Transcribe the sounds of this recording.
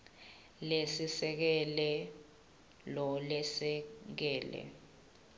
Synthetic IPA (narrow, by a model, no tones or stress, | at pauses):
lesisɛk̬ɛlɛ | lɔlɛsɛk̬ɛːlɛ̰